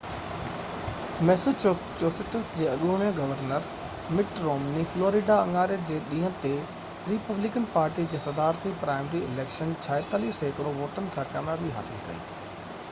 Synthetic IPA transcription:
mɛːsɪt͡ɕoːsɪʈəsd͡ʑeːɐɠuɽ̃iãɡɐʋəɾnəɾ | mɪʈɾoːmnifloːɾɪɖaɐŋɡaːɾjəɾd͡ʑeːɗĩːɦə̃t̪e | ɾiːpɐblɪkənpaːɾʈid͡ʑeːsɐd̪aːɾt̪ipɾaːɪmɾiɪleːkʃənt͡ɕʰaːɪt̪aːliːseːkɾoʋoːʈənɪ̆t̪ʰaːkaːmɾabiɦa̰ːsɪlkɐ̰ḭː

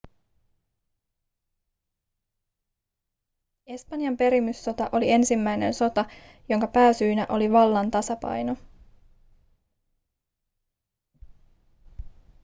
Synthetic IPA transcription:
e̞spɑnjɑmpe̞ɾimːysːo̞t̪ɑʔo̞lie̞nsimːæjne̞̰nso̞t̪ɑ | jo̞ŋkɑpæːsyːnæʔo̞liʋɑlːɑnt̪ɑsɑpɑ̰jno̞

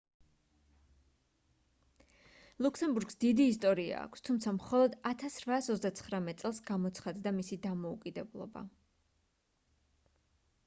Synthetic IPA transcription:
lˠukʰsɛmbuɾɡsd̪id̪iːst̪ʼɔɾia̰ːkʷʰst̪ʰumt̪sʰamχɔlˠɔd̪at̪ʰasɾvaːsɔtzd̪at̪sʰχɾamɛt̪sʼɛlˠsɡamɔt̪sʰχad̪d̪amisid̪amɔukʼid̪ɛblˠɔ̰ba̰

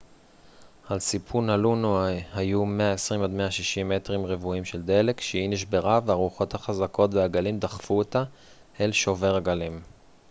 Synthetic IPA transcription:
alsipʰunalunuhajume̞aesʁimo̞d̪meaʃiʃime̞tʁimʁevuimʃe̞ld̪e̞le̞kʃeiniʃbe̞ʁaveaʁuχo̞t̪haχazakʰo̞t̪veaɡalimd̪aχfuot̪a | elʃo̞ve̞ʁaɡalim

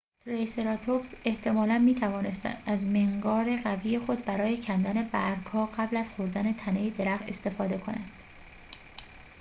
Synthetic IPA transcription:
t̪ʰɾeseɾɒt̪ʰobse̞ht̪ʰe̞mɒːlænmiːt̪ʰævɒːne̞st̪æ̰nd̪æzmeŋɡɒːɾe̞ɣæviːjexo̞d̪bæɾɒːje̞cʰænd̪æne̞bæɾɡhɒːɢæblæzxoɾd̪æne̞t̪ʰæne̞jed̪e̞ɾæxt̪e̞st̪e̞fɒːd̪e̞kʰo̞nænd̪̥

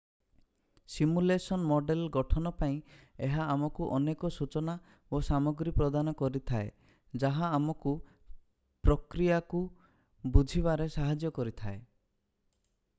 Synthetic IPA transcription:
simulesɔnmɔɖelɡɔʈʰɔnɔpaĩeɦaamɔkuʔɔnekɔsut͡ʃɔna | osamɔɡɾipɾɔd̪anɔkɔɾit̪ʰae | d͡ʒaɦaːmɔku | pɾɔkɾijaku | bud͡ʒʱiβaɾesaɦad͡ʒjɔkɔɾit̪ʰae

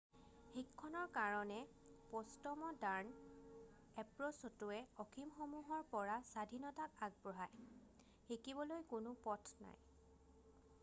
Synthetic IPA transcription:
xikʰːɔnɔɹkaɹɔnɛ | pɔstɔmɔdaɹn | ɛpɹɔsɔtʊɛɔxʰimxomuɦɔɹpɔɹasadʱinɔtakaɡ̚bɹɔɦaj | xekibɔlojkʊnʊpɔtʰna̰j

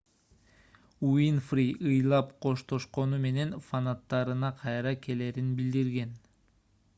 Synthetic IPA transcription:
uinfriʔɯjlˠɑpqʰo̞ʃt̪o̞ʃqo̞nume̞ne̞nfanat̪ːɑɾɯnɑqʰɑjɾɑkʰe̞le̞ːɾinbild̪iɾɡe̞n

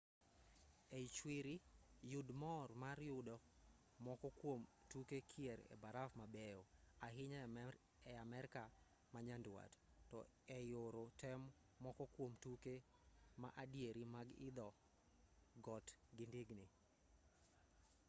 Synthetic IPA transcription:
ɛt͡ʃwiɾijudmɔrmaɾjʊdɔ | mɔkɔkwomtukekʰiɛɾɛ̰baɾafmabɛjɔaɦɪɲa | ɛamɛɾka | maɲandwa̰ttɔ | ɛjoɾotɛmː | ɔkɔkwomtuke | ma̰ʔadjeɾimaɡɪ̰d̪ɔ | ɡɔtɡɪndiɡni

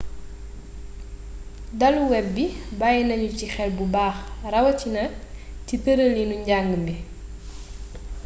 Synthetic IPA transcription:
dɐluwɛp̚bibajinɐɲucixɛlbubaːxrɐwɐcinɐcitəɾəlinuɲɟaŋɡəmbi

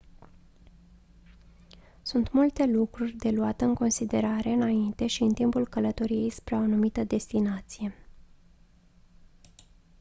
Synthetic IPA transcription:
sunt̪mult̪e̞lukɾurʲd̪e̞luat̪əɨŋko̞nsid̪e̞ɾaɾe̞ɨnaint̪e̞ʃiɨnt̪impulkələt̪o̞ɾije̞jspɾeaonumit̪əd̪e̞st̪inat̪sije̞

